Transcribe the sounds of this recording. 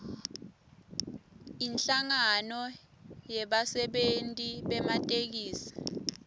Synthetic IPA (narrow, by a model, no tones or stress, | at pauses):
inɬaŋanɔ | jɛɓasɛɓentʼiɓɛmatʼek̬iːsḁ